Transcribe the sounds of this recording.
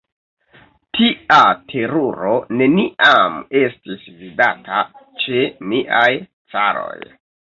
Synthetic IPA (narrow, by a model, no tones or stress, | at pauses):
tʰiʔatʰe̞ɾoɾo̞ne̞niʔame̞stisvidatʰa | t͡ʃe̞niʔaj | t͡saɾo̞̰j